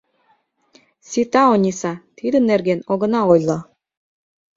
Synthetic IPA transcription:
sit̪ɑonʲisɑt̪id̪ə̆nːerɡenoɣɤ̆nɑojlˠɤ

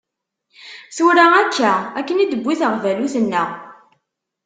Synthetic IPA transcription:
suɾæækʰːæækːənid̪əbʷːiθəʁvæluθənːə

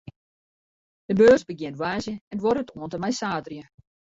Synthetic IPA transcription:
d̥əbøːzbəɡjɪntʋaːzjəɛnʋoɾətoəntəmɛjsaːdrjə

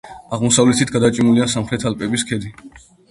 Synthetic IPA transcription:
aʁmɔsavlɛt̪ʰit̪̚ʰɡad̪at͡ʃʼimuliasamχɾɛt̪ʰalpʼɛbiskʰɛd̪i

